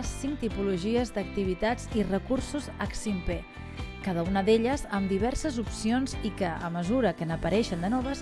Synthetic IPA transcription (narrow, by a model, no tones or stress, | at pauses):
siŋkt̪ipuluʒiəzd̪ək̚t̪iβ̞it̪ad͡zirəkursuzəksimpe | kað̞əunəðeʎəzəmd̪iβɛɾsəzupsionzikəə̰məzuɾəkənəpəɾɛʃənd̪ənɔβəs